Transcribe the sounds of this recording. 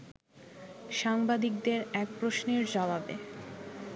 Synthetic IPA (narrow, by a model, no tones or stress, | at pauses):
ʃaŋbad̪ik̚d̪eɾɛk̚pɾoʃneɾd͡ʑababḛ